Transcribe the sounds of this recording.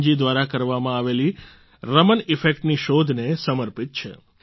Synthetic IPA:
d͡ʒid̪ʋaɾakəɾʋamãaʋeli | ɾəmənɪfek̚ʈniʃod̪ʱnesəməɾpit̪̚t͡ʃʰḛ

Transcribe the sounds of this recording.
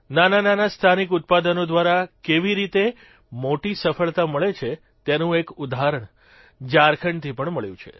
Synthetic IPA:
nanananast̪ʰanikʊt̪̚pad̪ənod̪ʋaɾakeʋiɾit̪e | moʈisəfəɭt̪aməɭet͡ʃʰe | t̪janũekud̪aɦaɾəɳ | d͡ʒaɾkʰəɳt̪ʰipəɳməɭjṵ̃t͡ʃʰḛ

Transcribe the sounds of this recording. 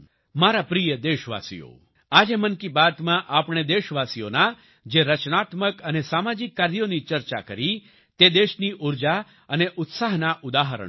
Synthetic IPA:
maɾapɾijəd̪eʃʋa̰sḭjo̰ | ad͡ʒemənkibat̪mãʔapɽ̃ed̪eʃʋasijo̰na | d͡ʒeɾət͡ʃnat̪məkənesamad͡ʒikːaɾjonit͡ʃəɾt͡ʃa̰kəɾi | t̪ed̪eʃniʔuɾd͡ʒa | əneʔʊt̪saɦnaʔʊd̪aɦəɾə̰

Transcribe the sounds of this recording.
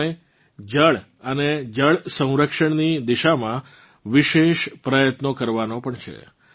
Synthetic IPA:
e | d͡ʒəɭ | əned͡ʒəɭsə̃w̃ɾəkʃəɳnid̪iʃamã | ʋiʃeʃpɾəjət̪nokəɾʋanopəɳt͡ʃʰḛ

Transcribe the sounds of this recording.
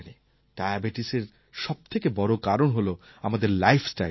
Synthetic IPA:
ni | ʈajabeʈiseɾ | ʃɔb̚t̪ʰekebɔɾokaɾonɦolo | amad̪eɾlajpʰsʈa

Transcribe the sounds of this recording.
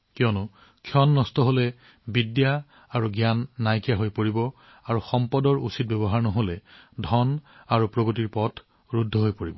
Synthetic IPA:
kiɔnʊ | kʰjɔnːɔstɔɦolɛ | bidja | aɹuɡjanːajkijaɦojpoɹibɔ | aɹuxɔmpɔdɔɹusit̚bɛbɔɦaɹnɔɦolɛdʱɔnaɹupɹoɡotiɹpɔtʰ | ɹudʱːɔɦojpoɹibɔ

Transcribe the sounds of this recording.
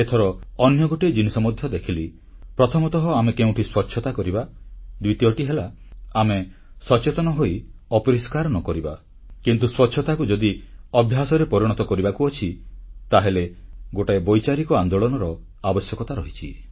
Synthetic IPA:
et̪ʰɔɾɔːnjɔɡoʈejd͡ʒinisɔmɔd̪ʱjɔd̪ekʰili | pɾɔt̪ʰɔmɔt̪ɔɦɔamekeũʈʰiswɔt͡ʃʰɔt̪akɔɾibad̪wit̪iɔʈiɦela | amesɔt͡ʃet̪ɔnɔɦoiɔpɔɾiskaɾɔnɔkɔɾiba | kint̪uswɔtːt͡ʃʰɔt̪akud͡ʒɔd̪iɔbʱjasɔɾepɔɾiɽ̃ɔt̪ɔkɔɾibakuɔt͡ʃʰit̪aɦeleɡoʈaebɔjt͡ʃaɾikɔand̪oɭɔnɔɾɔ | abɔsjɔkɔt̪aɾɔɦit͡ʃʰḭ

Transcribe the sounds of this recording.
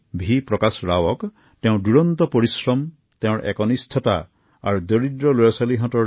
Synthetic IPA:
bʱipɾɔkasɾawɔk | t̪ẽũɖuɽɔnt̪ɔpɔɾisɾɔm | t̪ẽɔ̃ɾɔ̰ʔekɔnist̪ʰɔt̪a | a̰ɾud̪ɔɾid̪ɾɔlojɔsaliɦɔ̃tɔ

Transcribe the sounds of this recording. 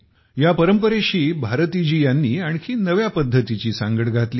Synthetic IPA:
japəɾəmpəɾeɕiːbʱaɾt̪id͡ʑiːjanːiːaɳ̃kʰiːnəʋjapəd̪ʱːət̪it͡ɕiːsãŋɡəɽɡat̪liː

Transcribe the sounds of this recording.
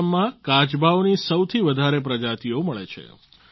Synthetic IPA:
mːãkat͡ʃbʱaonisəwt̪ʰiʋəd̪ʱaɾep̬ɾəd͡ʒat̪ioməɭḛt͡ʃʰḛ

